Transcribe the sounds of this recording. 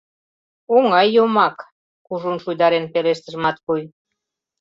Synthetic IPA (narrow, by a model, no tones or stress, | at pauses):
oŋɑjːomɑk | kuʒunʃujd̪ɑɾenpeɾeʃt̪ə̆ʒmɑt̪̚kuj